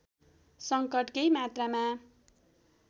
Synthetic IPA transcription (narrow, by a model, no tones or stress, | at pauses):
sʌŋkʌʈkʌjmat̪rama